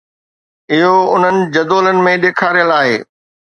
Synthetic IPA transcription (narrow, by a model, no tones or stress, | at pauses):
ɪɦoʊn̤ənɪ̆d͡ʑɐd̪oːlənɪ̆mẽɗeːkʰaːɾijəlaːɦḛː